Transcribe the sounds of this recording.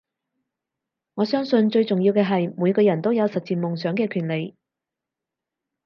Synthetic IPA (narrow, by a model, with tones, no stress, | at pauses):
ŋɔː˨˧sœː˥ŋsɵ˧nt͡ʃɵ˧ɥt͡sʊ˨ŋjiː˧wkɛː˧ɦɐ˨jmuː˨˧jkɔː˧jɐ˨˩nt̪o˥wjɐ˨˧wsɐ˨t̚t͡siː˨˩nmʊ˨ŋsœː˨˥ŋkɛː˧kʰyː˨˩nle˨˧j